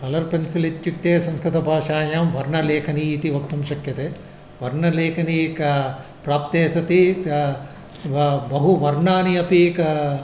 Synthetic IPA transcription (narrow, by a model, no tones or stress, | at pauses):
pɐlɐɾpɐnsilit̪juk̚t̪eːsɐ̃mskɾɨt̪ɐbʱaːʃaːjaːmʋɐɾnɐleːkʰɐniːt̪iʋɐk̚t̪ɐmʃɐkjɐt̪eː | ʋɐɾnɐleːkʰɐnik | pɾaːp̚t̪eːsɐt̪i | bɐɦuʋɐɾɳaːniɐpik